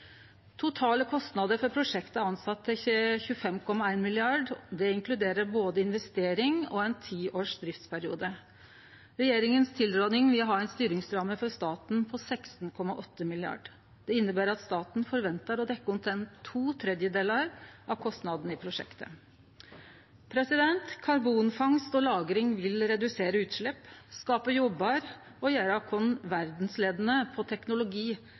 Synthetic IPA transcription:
t̪ʰʊt̪ʰɑːləkʰɔst̪nɑd̪əɾfɔɾpʰɾʊʂɛkt̪əɑnsɑt̪ːəçʉːəfɛmkʰɔmːɑæɪnmɪlɪɑɖd̪ɛɪŋkʰlʉd̪eːɾəɾboːd̪əɪnʋɛst̪eːɾɪŋɔ̰ɛɪnt̪ʰiːʔoːʂd̪ɾɪft̪spʰæɾɪṵːd̪ə | ɾɛjeːɾɪŋənst̪ʰɪld̪ɾoːnɪŋʋɪlɦɑːæɪnst̪yːɾɪŋsɾɑːməfɔɾst̪ɑːt̪n̩pʰɔsæɪkst̪n̩kʰɔmːɑʔɔt̪ːəmɪlɪɑ̰ɖ | d̪̥ɛɪnːəbæːɾɑt̪st̪ɑːt̪n̩fɔɾʋɛnt̪əɾɔd̪ɛkːəʊnt̪ʰɛnt̪ʰuːt̪ʰɾɛd̪jəd̪eːləɾʔɑʋkʰɔst̪nɑd̪n̩ɪpʰɾʊʂɛ̰kt̪ə̰ | pʰɾɛsɪd̪ɛnt̪kʰɑɾbuːnfɑŋst̪ɔlɑːɡɾɪŋʋɪlɾɛd̪ʉseːɾəʉːt̪ʂɭɛpːskɑːpəjɔbːɑɾ | ɔjæːɾɑkʰɔnʋæɾd̪n̩sleːd̪ənəpʰɔt̪ʰɛknʊlʊɡiː

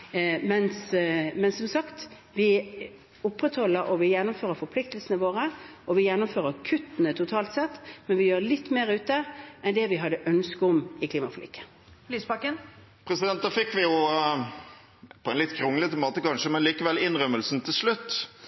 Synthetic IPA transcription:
mɛnsmɛnsɔmsɑkt̪ | ʋɪ | ʊpːɾɛt̪hɔlːəɾʔɔʋɪjɛnːʊmføːʁəfɔpʰlɪk̚t̪əlsənəʋoːʁəɔʋɪjɛnːʊmføːɾəkʰʉt̪ːənət̪ʰʊt̪ʰɑːlt̪sɛt̪ːmɛnʋɪjøːɾlɪt̪ːmeːʁʉːt̪̚d̪əʔɛnd̪ɛʋɪɦɑd̪ːəʔœnskəʊmɪkʰliːmɑflɪ̰kːə̥ | liːspɑkən | pʰɾɛsɪd̪ɛnt̪̚d̪ɑːfɪkːʋɪjʊ | pʰɔɛnlɪt̪kʰɾʊŋːələt̪əmoːt̪əkɑnʃəmɛnliːkəʋɛlɪnɾœməlsn̩t̪ʰɪlsɭʉt̪ː

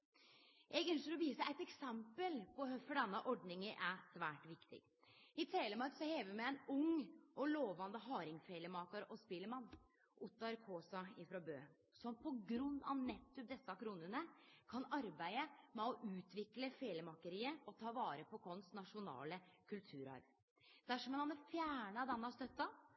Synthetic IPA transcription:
ʔɛɡœnʃəɾɔʋiːsəʔæɪt̪ɛksɛmpəlpɔhœfɔɖɛnːəʔɔɖnɪŋəʔæsʋæːʈʋɪkt̪ɪ̰ɡ | ɪt̪ʰɾeːləmɑɾksɔheːʋəmææɪnʊŋɔloːʋɑnd̪əɦɑːɾɪŋfeːləmɑːkɑɾʔɔspɪlːəmɑnː | ʔʊt̪ːɑɾkʰoːsɑɪfɾɑbøː | sɔmpʰɔɡɾʉnːɑ̰ʋnɛt̪ʰːʉp̚d̪ɛsːɑkʰɾuːnənəkʰɑnɑɾbæɪəmɛɔʔʉːt̪ʰʋɪkləfeːləmɑkəɾiːəɔt̪ʰɑːʋɑːɾəpʰɔkʰɔnsnɑʂʊnɑ̰ːləkʰʉlt̪ʰʉːɾɑ̰ɾʋ | d̪̥æʂɔmɛnhɑnəfjæːɳəd̪ɛnːɑst̪œt̪ːɑ

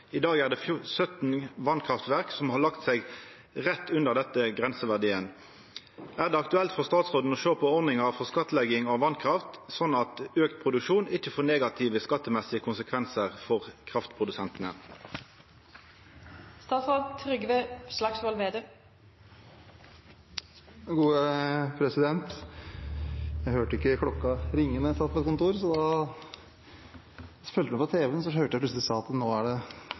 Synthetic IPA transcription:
ɪd̪ɑːɡæːʁd̪ɛːfsœt̪n̩ʋɑnkʰʁɑft̪ʋæʁksɔmhɑʁlɑkt̪sɛɪɡ | ʁɛt̪ːʉnd̪əʁd̪ɛt̪əɡʁɛnsəʋæʁd̪iːən | æːʁd̪ɛːɑk̚t̪ʉɛlt̪fɔʁst̪ɑːt̪sʁoːd̪n̩ɔʃøːpʰɔɔʁnɪŋɑʁfɔʁskɑt̪ːəlɛɡɪŋɑʋɑnkʰʁɑft̪sɔnɑt̪øːkt̪̚pʰʁʊd̪ʉkʃuːnɪçːəfoːʁneːɡɑt̪ʰɪʋəskɑt̪ːəmɛsɪəkʰʊnsəkʰʋɛnsəʁfɔʁkʰʁɑft̪pʰʁʊd̪ʉsɛnt̪ən̩ə | st̪ɑːt̪sɑt̪ʰɾʏɡəʋeslɑksʋɔlʋeːd̪ə | ɡuːəpʰɾɛsɪd̪ɛnt̪ | jæɪhøːʈəɪkːəkʰlɔkːɑɾɪŋːənəst̪ɑːt̪fʰɑkʊnt̪uːɾsɔd̪ɑ | fœlt̪əmɛpɔt̪ʰeːʋəns̬ɔhøːʈəjæɪplʉsəlɪsɑːɑt̪noːæɖɛ

